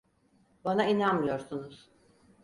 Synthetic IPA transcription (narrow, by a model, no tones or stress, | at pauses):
banainanmɯjo̞ɾsunuz̥